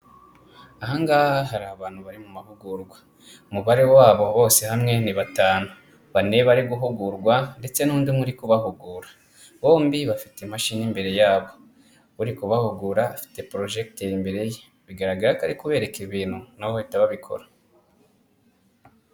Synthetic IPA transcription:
aɦaŋɡahhaɦaɾaβaːn̥huβaɾimumavuɡuɾɡwa | umuβaɾewaːβo̞βo̞ːse̞hamŋe̞niβataːnu | βane̞βaɾiɡuɦuɡuɾɡwande̞t͡se̞nuːndimŋuɾikuβaɦuɡuːɾḁ | βo̞ːmbiβafi̥temaʃinimbe̞ɾe̞jaːβo̞ | uɾikuβahuɡuɾaːfi̥te̞pɾo̞ʒe̞k̚teimbe̞ɾe̞je | βiɡaɾaɡaɾakaɾikuβe̞ːɾe̞keiβiːn̥hunawoitaβaβikʰo̞̰ɾa

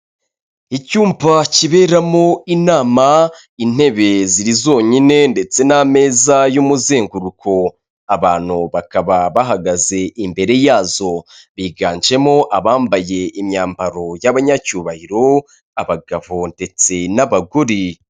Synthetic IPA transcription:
icuːmpaciβe̞ːɾamo̞inaːma | in̥e̞βe̞ziɾizo̞ːɲine̞nde̞t͡se̞name̞ːzajumuze̞ːŋɡuɾukʰo̞ | aβaːn̥huβakaβaβaɦaɡaze̞ʔimbe̞ɾe̞jaːzo̞βiːɡaːɲd͡ʒe̞mo̞ʔaβaːmbaje̞ʔimɲaːmbaɾo̞jaβaɲacuːβahiɾo̞ | aβaɡaβonde̞t͡se̞naβaɡoɾi

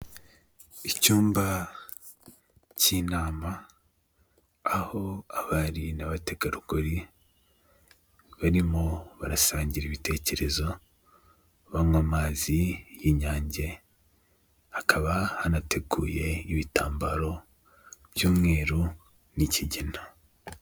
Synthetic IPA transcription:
icuːmba | cinaːma | ho̞aβaɾinaβate̞ɡaɾuɡoɾi | βaɾimo̞βaɾasaːɲɟiɾiβite̞ːce̞ɾe̞zo̞ | βaŋwamaːzijiɲaːɲɟe̞ | akʰaβahanate̞ɡuːje̞iβitaːmbaɾo̞ | β̥juːmŋe̞ːɾu | niciɟina

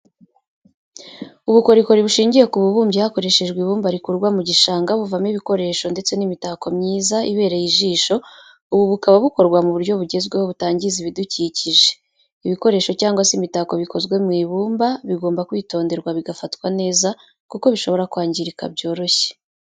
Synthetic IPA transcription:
uβuko̞ɾiko̞ɾiβuʃiːɲɟije̞kuβuβuːmɟihako̞ɾe̞ʃe̞ʒɡwiβuːmbaɾikuɾɡwamuɟiʃaːŋɡaβuvamniβiko̞ɾe̞ːʃo̞nde̞t͡se̞nimitako̞mɲiːzaʔiβe̞ːɾejiʒiːʃo̞ | uβuβukaβaβuko̞ɾɡwamuβuɾɟo̞βuɟe̞zɡweho̞βutaːɲɟiziβiduciːciʒe̥ | iβiko̞ɾe̞ːʃo̞caːŋɡwasimitako̞βiko̞zɡwe̞mŋiːβuːmbaβiɡo̞ːmbakwiːto̞ːnde̞ɾɡwaβiɡafatkwane̞ːza | kuko̞βiʃo̞βo̞ɾakwaːɲɟiɾika̰bɟo̞ːɾo̞çe̥

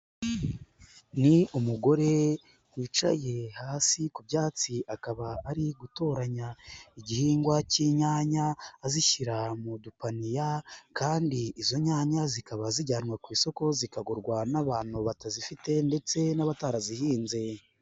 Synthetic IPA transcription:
niumuɡo̞ɾe̞ | wiːt͡ʃa̰je̞haːsikubjaːt͡siʔakaβaːɾiɡuto̞ːɾaɲaiɟihiːŋɡwaciɲaːɲaːziçiɾamudupanijakaːndiːzo̞ɲaːɲazikaβaziɟaːnŋwakwiːso̞ko̞zikaɡoɾɡwanaβaːn̥huβatazifite̞nde̞t͡se̞naβataɾazihiːnze̞

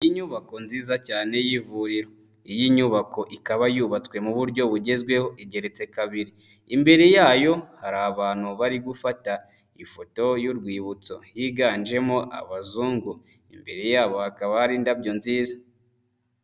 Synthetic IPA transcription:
ijiɲuːβako̞nziːzacaːne̞jivuɾiɾo̞ | ijiɲuːβako̞ʔikaβajuβat͡swe̞muβuɾɟo̞βuɟe̞zɡwe̞ho̞ʔiɟe̞ɾe̞t͡se̞kaβiɾi | imbe̞ɾe̞jaːjo̞haɾaːβaːn̥huβaɾiɡufata | ifo̞to̞juɾɡwiːβut͡so̞jiɡaːnd͡ʒe̞moʔa̰βazuːŋɡu | imbe̞ɾe̞jaːβo̞hakaβahaɾiːndabɟo̞nziːza

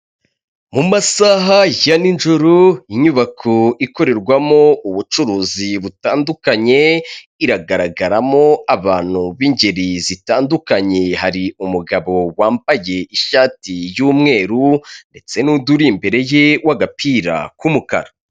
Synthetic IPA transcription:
mumasaɦajaninʒuɾuiɲuβakʰoiko̞ɾe̞ɾɡwamo̞uβut͡ʃuɾuːziβutaːndukaɲe̞ | iɾaɡaɾaɡaɾamo̞aβaːn̥huβiɲɟe̞ɾizitaːndukaɲe̞haɾiumuɡaβo̞waːmbaje̞iʃaːtijuːmŋe̞ːɾunde̞t͡se̞nuduɾimbe̞ɾe̞jewaɡapʰiɾa̰kumuka̰ɾa

